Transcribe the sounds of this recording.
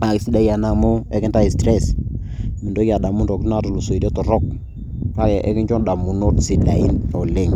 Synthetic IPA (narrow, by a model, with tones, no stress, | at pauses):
a˨ki˨si˦da˦ja˨na˨mʊ˦ɛ˦kɪ˦nta˦i˨stɾɛ˦˨s | mi˨ndo˦ja˨da˨mu˦ndɔ˨kna˦tu˨lu˨so˨i˨de˦tɔ˨ɾɔ˦˨k̚ | ka˦ja˨ʔɛ˦kɪ˦nt͡ʃɔ˦nda˨mu˨no˦tsi˨da˨i˦nɔ˨le˦˨ŋ